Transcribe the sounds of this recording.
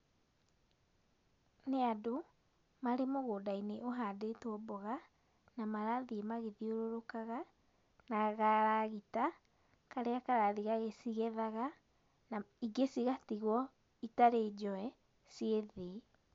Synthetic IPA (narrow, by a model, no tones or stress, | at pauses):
neado | maɾemoɣodaineʔoɦadetːbɔɣa | namaɾaðiemaɣeðioɾoɾokaɣa | naɣaɾaɣita | kaɾeakaɾaðiɣaɣesiɣeðaɣa | naiɡesiɣatiɣwɔ | itaɾeːd͡ʒɔɛ | sieðe